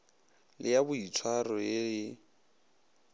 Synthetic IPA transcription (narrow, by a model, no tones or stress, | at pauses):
lɪjabʊitʰwarɔeɪ